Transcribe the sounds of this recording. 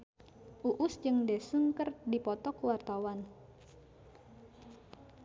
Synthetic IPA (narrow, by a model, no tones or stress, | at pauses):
ʔuʔʊsd͡ʒɨŋdesəŋkərdipɔt̪ɔkuwart̪awan